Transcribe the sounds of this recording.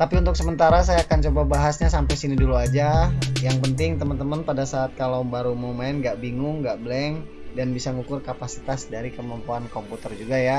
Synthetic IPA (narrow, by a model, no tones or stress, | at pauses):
t̪apiunt̪ʊksəmənt̪aɾas̬ajaːkant͡ʃobabaɦasɲasampajsiniduluad͡ʒajaŋpənt̪ɪŋt̪əmənt̪əmənpadasaːt̪̚kalowbaɾumomaɪnɡaʔbiŋʊŋɡaʔbəlɛŋ | danbisaŋukʊrkapasi̥t̪asdaɾikəmampuankɔmput̪ərd͡ʒuɡaja